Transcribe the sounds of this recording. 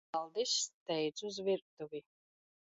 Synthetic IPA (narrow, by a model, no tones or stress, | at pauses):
alˠd̪ist̪ɛjt̪suzviɾk̚t̪uvʲi